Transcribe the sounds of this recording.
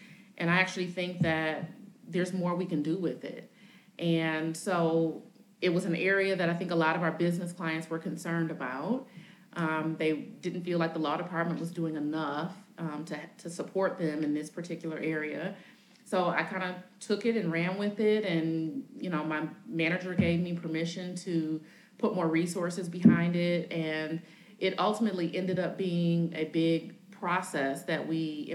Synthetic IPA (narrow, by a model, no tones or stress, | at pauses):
ʔɨ̃ɾ̃aɪæk̚t͡ʃʉl̩ˠiθɪ̃ŋk̚ðɨt̪̚ðə˞zmɔɹwikɨ̃ndɨwɪðɪ̰t̚ | ʔɨ̃nsoʊ | ɨt̚wʌzɨ̃n̩ɛɹiɨðɨɾaɪθɪ̃ŋkəlɔɾʌvaʊə˞bɪznɨskʰl̥aɪɨ̃ntswə˞kʰɨ̃n̩sɜ̃˞ndɨbaʊt̚ | ʔʌ̃mðeɪdɪdⁿn̩tfilaɪk̚ðəlɔɾəpʰɑɹt̚mɨ̃nʔwʌzduɪ̃ŋɨnʌfʌ̃tʰɨtʰɨsəpʰɔɹt̪̚ðɨ̃mɨ̃nðɪspʰə˞tʰɪkjl̩ˠə˞ʔɛɹiɨ | soʊa̰ɪkʰãɪ̃ndɨtʰʊkɪɾɨ̃nɹæ̃nwɪðɪɾɨ̃njɨñoʊmaɪmæñɨd͡ʒə˞ɡeɪvmipʰə˞mɪʃɨ̃ntʰɨ | pʰʊt̚mɔɹɹisɔɹsɨzbɨɦãɪ̃ndɪt̚ɨ̃n | ʔɪɾʔʌlˠtəmɨətˡliʔɛ̃ndɨɾʌp̚b̥iɪ̃ŋɨbɪɡ̚pʰɹ̥ɑsɛsðɨʔ̚wi